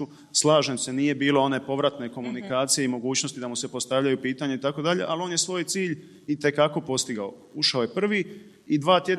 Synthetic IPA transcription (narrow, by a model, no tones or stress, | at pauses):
u | slˠaːʒe̞mse̞nije̞biːlo̞o̞ne̞po̞ʋɾat̪ne̞ko̞munikaːt̪sije̞imo̞ɡuːt͡ɕno̞st̪id̪amuse̞po̞st̪aʋʎajupiːt̪aɲeit̪ako̞d̪aʎe̞̰ʔalo̞ːnje̞sʋo̞ːjt̪siːʎ | it̪e̞kako̞po̞st̪iɡao | uʃaoje̞pr̩ʋi | id̪ʋaːt̪je̞d̪